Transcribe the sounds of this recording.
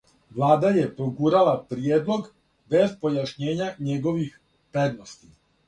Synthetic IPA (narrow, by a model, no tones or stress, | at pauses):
ʋlˠaːd̪aje̞pɾoɡuɾalapɾijeːd̪lˠo̞ɡ | be̞zpo̞jaʃɲe̞ːɲaɲe̞ɡo̞ʋix | ped̪nost̪i